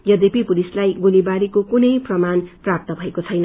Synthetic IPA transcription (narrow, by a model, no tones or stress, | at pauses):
jʌd̪epipulislajɡolibaɾikokunʌjprʌmanprap̚t̪ʌbʱʌekot͡sʰʌjnʌ